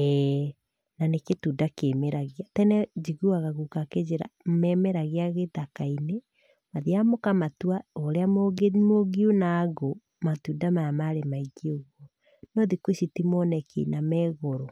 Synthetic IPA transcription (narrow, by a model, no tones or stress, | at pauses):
ɛ | naneketudakemeɾaɣiatɛnɛd͡ʒiɣuaɣaɣukaked͡ʒeɾa̰mɛmɛɾaɣeaɣetakaine | maðiamokamatuaɔɾeamomoɡiunaɡo | matudamajamaɾemaiɡioɣwɔ | nɔðikweʃitimɔnɛkʰḛinamɛɣoɾo